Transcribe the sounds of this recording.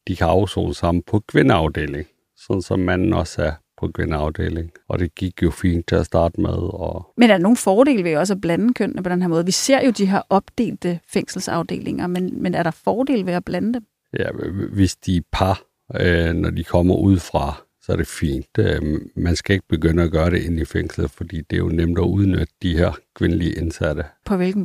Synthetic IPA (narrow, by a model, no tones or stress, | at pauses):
d̥ikʰæɑ̈ʊso̰ːnsɑ̈m̰n̩pʰɒ̽kʰʋe̝nəɑ̈ʊd̥e̝̰ːle̝ŋ | sɒ̽nn̩sɒ̽mːæn̰n̩ɒ̽sæɐpʰɒ̽kʰʋe̝nəɑ̈ʊd̥e̝̰ːle̝ŋɒ̽d̥e̝ɡ̥iɡ̥jo̝fḭːnd̥̚t͡sʰe̝æsd̥ɑ̈ːd̥əmeð̞ˠɒmenæɐ̥ɑno̝ːn̩fɒːɾ̥e̝̰ːlʋe̝jɒ̽s̬æb̥lænəkʰøn̰nəpʰɒ̽denɦeɐmɔ̽ːð̞̩ˠʋise̝ɐ̰jo̝d̥iɦeɐ̰ʔɒ̽b̥d̥e̝̰ːld̥əfeŋ̰sl̩sɑ̈ʊd̥e̝̰ːle̝ŋɐmenmenæɐɾ̥ɑ̈fɒːd̥e̝̰ːlʋe̝æb̥lænəd̥em | jæʋe̝sd̥ipʰɑ | nɒd̥ikʰɒ̽m̰ɐʔuð̞̰ˠfʁɑ̈ | sɒæɐɾ̥e̝fḭːnd̥mænsɡ̥æe̝ɡ̥̚b̥e̝ɡ̥øn̰əæɡ̥ɶːɐɾe̝ʔenifeŋ̰sl̩fɒd̥ḭːd̥e̝jo̝nemd̥æuð̞ˠnød̥əd̥iheɐ̰kʰʋe̝nəliəʔe̝nsæd̥əpʰɒ̽ʋe̝lɡ̥n̩